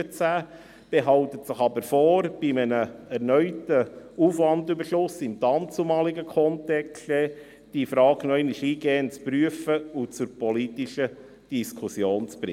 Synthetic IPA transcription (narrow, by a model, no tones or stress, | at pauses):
ət͡sæː | b̥eɦɑltətsəχɑbəɾfɔːɾb̥imənəɛɾnœʏtəuːfʋɑndybəʃʊsɪmtɑːmt͡sumɑːliɡəkʰɔntɛksɛ | d̥ifɾɑːɡnoɛɪniʃiːɡeːənt͡spɾyəfəʊt͡sʊɾpɔlitiʃə | d̥iskʰusjoːnt͡spɾɪ